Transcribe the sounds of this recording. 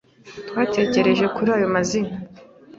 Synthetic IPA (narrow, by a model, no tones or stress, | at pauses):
twaːte̞ːce̞ɾe̞ʒe̞kuɾaːjo̞mazina